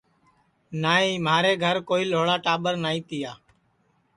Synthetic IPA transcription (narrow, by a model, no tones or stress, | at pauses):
naːĩːmaːɾeːɡʱəɾkoːiːloːɭaːʈaːɓəɾnaːĩːt̪ɪjaː